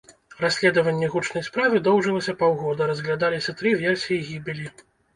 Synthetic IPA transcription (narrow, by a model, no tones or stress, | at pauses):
rasʲlʲɛd̪ɐvɐnʲːɛɣut͡ʂnɐjspɾavɨd̪ɔwʐɨlˠɐsʲɐpawɣɔd̪ɐɾɐzɣlʲad̪alʲisʲɐt̪ɾɨvʲɛrsʲijiɣʲibʲilʲi